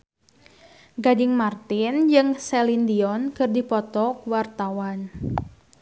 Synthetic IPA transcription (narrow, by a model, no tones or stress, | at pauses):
ɡadɪŋmart̪ɪnd͡ʒɨŋsɛlind̪iɔnkɨrdipɔt̪ɔkuwart̪awan